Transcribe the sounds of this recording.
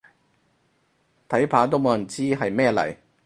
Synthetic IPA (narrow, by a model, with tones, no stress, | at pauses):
t̪ʰɐ˨˥jpʰaː˨˧˥t̪̬o˥wmo˨wjɐ˨˩nt͡siː˥ɦɐ˨jmɛː˥lɐ̰˨˩j